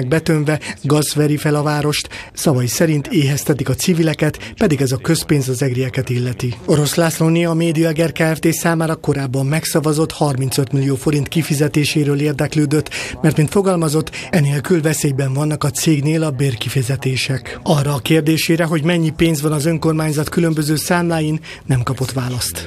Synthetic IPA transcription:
ɡ̚bɛt̪øɱvɛɡɒzʋɛɾifɛlɒvaːɾo̞ʃt̪sɒvɒjisɛɾint̪eːɦɛst̪ɛt̪ikɒt̪sivilɛkɛt̪pɛd̪iɡɛzɒkøspeːnzɒzɛɡriɛkɛt̪ilːɛt̪io̞ɾo̞slasloniɒmeːd̪ijɒɡɛrkaːɛft̪eːsaːmaːɾɒko̞ɾaːbːɒmːɛksɒvɒzo̞t̪hɒrmint̪sø̞t̪milijoːfo̞ɾint̪kifizɛt̪eːʃeːɾøːleːrd̪ɛkløːd̪ø̞t̪ːmɛrt̪mint̪fo̞ɡɒlmɒzo̞t̪ːɛneːlkylvɛseːjbɛɱvɒnːɒkɒt̪seːɡneːlɒbeːrkifizɛt̪eːʃɛkɒrːɒːkeːrd̪eːʃeːɾɛɦo̞ɟmɛɲːipeːnzʋɒnɒzøŋko̞rmaːɲzɒt̪kylø̞mbøzøːsaːmlaːjinː | ɛmkɒpo̞t̪ʋaːlɒst̪

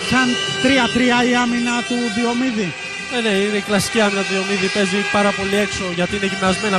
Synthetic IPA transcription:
sɐnt̪ɾiɐt̪ɾiɐiɐminɐt̪uðio̞miði | ene̞ineiklɐsi̥ciɐminɐt̪uðio̞miðipe̞zipɐɾɐpo̞lie̞kso̞ʝɐt̪iineʝimɐzme̞nɐ

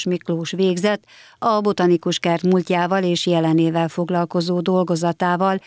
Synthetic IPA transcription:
ʃmikloːʃʋeːɡzɛt̪ː | ɒbo̞t̪ɒnikuʃkɛrt̪mulcaːvɒleːʃjɛlɛneːvɛlfo̞ɡlɒlko̞zoːd̪o̞lɡo̞zɒt̪aːvɒl

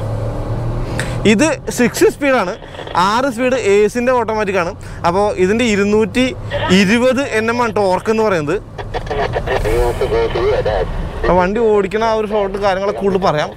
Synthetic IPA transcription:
iðɨsiksispiːɽaːɳɨ | aːris̬piːɽɨeːsinde̞o̞ːʈːɐmːaːt̬ːikʲːaːɳɨ | ɐpːo̞ːʔiðinde̞iɾunːuːtːiiɾubɐðɨʔe̞nːemːɐɳʈo̞ːrɐkːe̞nːɨpɐrɐjunːɐðɨ | ʈːoːɽiɐaʋɐɳɖio̞ːɽikʲːunːɐoɾufoːʈːɨkaːɾjɐŋːɐɭekuːɭːɨpɐrɐjaːm

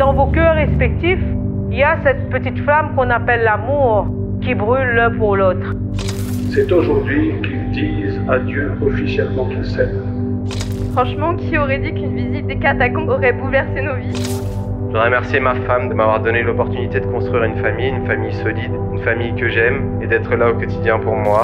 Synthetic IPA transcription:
d̪̥ɑ̃vokøʁɛspɛk̚t̪ifiljasɛt̪pət̪it̪flamkɔ̃napɛlːamuʁ | kʲibʁylːɛ̃puʁlot̪χ | sɛt̪oʒuʁd̪ɥikild̪i | zad̪jø | ɔfisjɛlmɑ̃kilsɛ | fχɑ̃ʃmɑ̃kʲʰiɔʁɛd̪ikynvizit̪̚d̪ekat̪akɔ̃ɔʁɛbulvɛʁsenovi | ʒ̥əʁəmɛʁsjemafamd̪əmavwaʁd̪ɔnelɔpɔʁt̪ynit̪ed̪əkɔ̃st̪χɥiʁynfamijynfamijsɔlid̪ynfamijkəʒɛm | ed̪ɛt̪χəlaokɔt̪id̪jɛ̃puʁmwa

